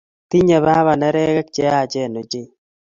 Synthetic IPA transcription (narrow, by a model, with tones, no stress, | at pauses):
ti˦ɲa˨βa˦βa˨na˦ɾɛ˦ɣa˦k̚t͡ʃɛ˦a˦˨d͡ʒɛ˦˨no˨d͡ʒe˦˨